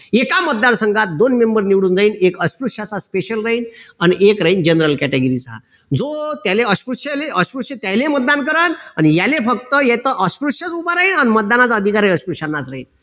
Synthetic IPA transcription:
ekamət̪̚d̪ansəŋɡat̪̚d̪onmembəɾniʋɽuːnd͡zaiːnekəspɾuʂat͡saspeɕəlɾaɦinaniʔekɾaɦind͡ʑənɾəlkæʈeɡəɾit͡sa̰ | d͡zot̪jaleəspɾuʂeleəspɾuʂət̪jajlemət̪̚d̪ankəɾananijalefək̚t̪əjɛt̪əʔəspɾuʂət͡subaɾaiːnanmət̪̚d̪anat͡saəd̪ʱikaɾajəspɾuʂanːat͡sɾaɦḭːn

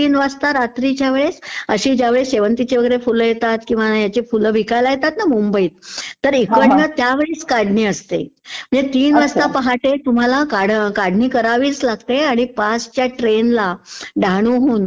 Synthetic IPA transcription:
iːnʋast̪aɾat̪ɾit͡ɕjaʋeɭesəɕiːd͡ʑjaʋeɭeseʋənt̪it͡ɕeʋəɡəeɾefuljet̪at̪kĩʋajat͡ɕefuləʋʱikajlajet̪at̪namumbəiːt̪ːəɾikəʈnət̪jaʋeɭeskaɽ̤niːəst̪ḛm̤əɳd͡zet̪iːnʋast̪apəɦaʈet̪um̤alakaɽkaɽniːkəɾaʋiːt͡slaɡt̪eaɽ̃ipast͡ɕjaʈɾenlaɖʱaɽ̃uɦuːn

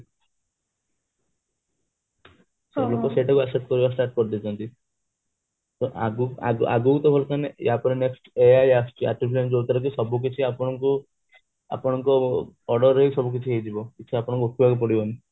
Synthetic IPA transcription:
sɔblokɔseʈɔkuaksep̚ʈkɔɾibasʈaɾʈ̚kɔɾd̪it̪ʰɔnt̪i | t̪oʔa̰ɡua̰ɡuʔa̰ɡukut̪ɔbʱɔlɔsanejapɔnineksʈejajasʈia̰ʈibʰisɔnd͡ʒot̪aɾɔkisɔbuk̬it͡ʃʰiapɔɽ̃ɔŋku | a̰pɔɽ̃ɔŋkɔɔɖɔɾːɦisɔbuk̬it͡ʃʰiɦejd͡ʒ̪ibɔkit͡ʃʰiapɔɽ̃ŋkuokʰibʱakupɔɽibɔni

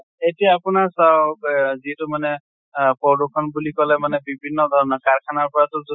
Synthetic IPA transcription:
etijaːpʊnasawziɛtʊmanɛ | pɹɔdukʰɔnbulikɔlɛmanɛbibʱinːɔd̪ʱɔɹɔnɔkaɹkʰanaɹpɔɹatʊz

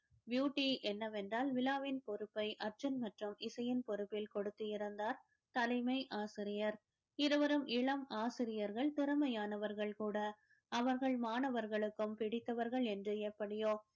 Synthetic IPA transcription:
bjuːʈːiʔɛnːɐʋɛndraːlʋɪlaːʋɪnpɔɾɯpːɐɪʔɐɾd͡ʒɐnmɐʈrɯmʔɪsɐjɪnpɔɾɯpːɪlkɔɽɯt̪ːɯɪɾɐnd̪aːɾ | t̪ɐlɐɪmɐɪʔaːsɪɾɪjɐɾ | ɪɾɯʋɐɾɯmʔɪɭɐmaːsɪɾɪjɐɾɣɐɭt̪ɪɾɐmɐjaːnɐʋɐɾɣɐɭkuːɽɐ | ɐʋɐɾɣɐɭmaːnɐʋɐɾɣɐɭɯkːɯmpɪɽɪt̪ːɐʋɐɾɣɐɭɛndrɯɛpːɐɽɪjoː

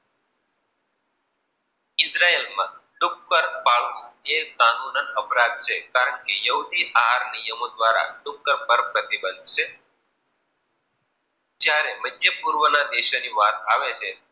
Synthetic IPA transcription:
ɪsɾaelmã̰lʊkːəɾpaɭʋũekanunənəpɾad̪̚t͡ʃʰekaɾəɳkejəɦud̪iʔaɦaɾnijəmod̪ʋaɾa̰lʊkːəɾpəɾpɾət̪ibənd̪ʱʃʰe | d͡ʒjaɾeməd͡ʒjepuɾʋənad̪eʃoniʋat̪̚aʋet͡ʃʰe

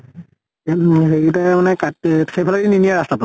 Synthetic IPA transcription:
xeɹitamanɛkaxʰepʰaladininijaɹastata

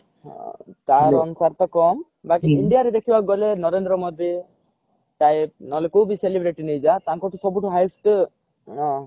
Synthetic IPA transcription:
t̪aɾɔnusaɾt̪akɔm | bakiiɳɖijaɾed̪ekʰibaɡɔlenɔɾend̪ɾɔmɔd̪i | ʈajp̚nɔlekubiselibɾeʈinejd͡ʒat̪aŋkɔʈʰusɔbuʈʰɔɦajsʈ | ɔ̃

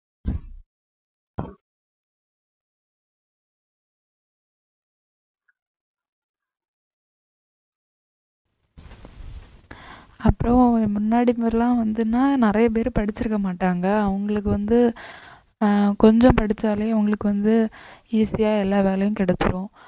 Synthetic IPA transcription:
ɐpːɯɾɐ̃mʊnːaːɽimɐɾɐlãːʋɐnd̪ɯnːaːnɪɾɐjɐp̬eːɾɯpɐɽɪt͡ʃːɪɾɯkːɐmaːʈːaːŋɡɐːʋɐŋɡɐɭɯkːɯʋɐnd̪ɯ | kɔɲd͡ʒɐ̃mpɐɽɪt͡ʃːaːleːɐʋɐŋɡɐɭɯkːɯʋɐnd̪ɯiːsɪjaːɛlːaːʋeːlɐjʊ̃kɪɽɐtːɯɾõː

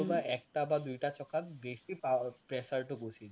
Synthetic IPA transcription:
obaʔɛk̚ʈabad̪ujʈat͡ɕɔkʰːat̪besipapɾɛsaɾʈokosʰil

